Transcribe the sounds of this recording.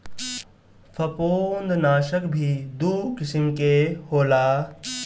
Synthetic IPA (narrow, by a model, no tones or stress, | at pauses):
fʰɐpoːnd̪naːʃəkbʱid̪uːkɪsɪmkehoːlaː